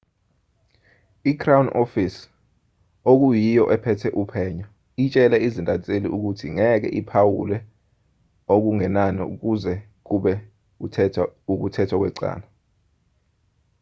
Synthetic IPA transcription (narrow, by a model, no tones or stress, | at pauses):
ikʰrawunofis | ok̬ujijɔʔɛpʰɛtʰɛʔupʰɛːɲɔ | it͡ʃʼɛlɛizintʼat͡sʼeliʔuk̬utʰiŋɛk̬ɛ̰ʔipʰawulɛ | ok̬uŋɛnanḭṵk̬uzɛ | k̬uɓɛ | uɛuk̬utʰɛtʰwak̬wɛǀa̰ːna